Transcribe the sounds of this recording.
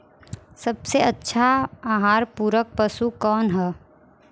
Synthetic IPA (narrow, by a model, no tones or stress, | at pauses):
sɐbseɐtːʃʰaaːɦaːɾpuːɾək̚pəsukɔːnɦɛː